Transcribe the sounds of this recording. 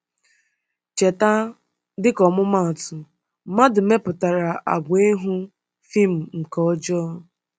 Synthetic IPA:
t͡ʃe˨ta˦ | dɪ˦kɔ˨mʊ˦ma˦˨tʊ˨ | ma˦dʊ˨me˦pʊ˨ta˨ɾa˨ʔa̰˨ɡʷe˦ɦʊ˦ | fi˦˨m̩˨ŋ̩˨kɔ˦d͡ʒɔ˦

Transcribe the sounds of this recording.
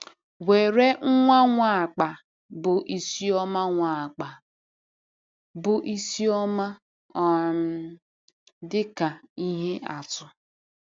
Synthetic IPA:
we˨ɾe˦ŋ̩˦ŋʷa˦ŋʷa˦˨k͡pa˨ | bʊ˨ʔi˨si˦ɔ˦ma˦ŋʷa˨a˨k͡pa˨ | bʊ˨ʔi˦si˦ɔ˦ma˦ | ɔ˨ | dɪ˦ka˨i˦ɦe˦a̰˨tʊ˨

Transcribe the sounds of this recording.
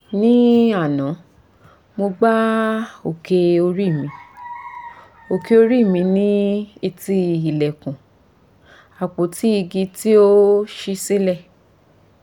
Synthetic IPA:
nĩ˦a˦˨nã˨˦ | mo˧ɡ͡ba˦o˨ke˧o˧ɾi˦˨mĩ˧ | o˨ke˧o˧ɾi˦˨mĩ˧nĩ˦i˧ti˧i˨lɛ˨kũ˨ | a˨k͡po˨ti˦i˧ɡi˧ti˦o˦ʃi˧si˦lɛ˦˨

